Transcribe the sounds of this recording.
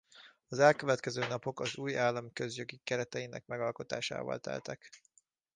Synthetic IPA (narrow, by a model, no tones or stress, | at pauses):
ɒzɛlkøvɛt̪kɛzøːnɒpo̞kɒzuːjaːlːɒmkø̞zjo̞ɡikɛɾɛt̪ɛjinɛ̰k̚mɛɡɒlko̞t̪a̰ːʃa̰ːvɒ̰lt̪ɛ̰lt̪ɛk